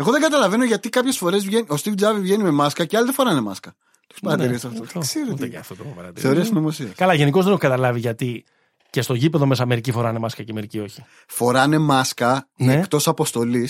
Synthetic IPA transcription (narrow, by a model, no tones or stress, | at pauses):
eɣoðeŋɡɐt̪ɐlɐve̞no̞ʝɐt̪ikɐpçe̞sfo̞ɾe̞zvʝe̞nio̞st̪ifd͡zɐvivʝe̞nime̞mɐskɐceɐliðefoɾɐne̞mɐskɐ | t̪ekspɐɾɐt̪iɾisɐft̪ooseɾoueceɐ̰ft̪ot̪opɐɾɐ̰t̪iɾθeoɾeɐsnomosiɐskɐlɐʝenikozðeneokɐt̪ɐlɐviʝɐt̪i | ce̞st̪o̞ʝipe̞ðo̞me̞s̬ɐme̞ɾicifo̞ɾɐnemɐskɐceme̞ɾicio̞çi̥ | fo̞ɾɐne̞mɐskɐnmeekt̪o̞sɐpo̞st̪o̞lis